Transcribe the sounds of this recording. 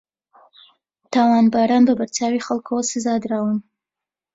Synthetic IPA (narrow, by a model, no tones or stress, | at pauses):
t̪ɑwɑnbaɾɑnbabaɾt͡ʃɑwixalkʰowsɪzɑd̪ɾɑwəm